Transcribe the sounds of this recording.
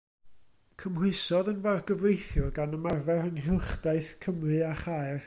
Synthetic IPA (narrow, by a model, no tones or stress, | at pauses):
kʰəmwɪɨsɔðənvarɡəvrejθjɔɡanəmarvɛɾəŋɦɪlˠχd̥ajɨθkʰəmrɨaχaɨr